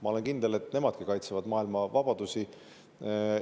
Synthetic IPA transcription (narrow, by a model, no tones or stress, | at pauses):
mɑo̞le̞nkind̪̥e̞le̞t̪ːne̞mɑd̪̥kikɑjt̪sevɑd̪mɑːilmɑvɑb̥ɑd̪̥usi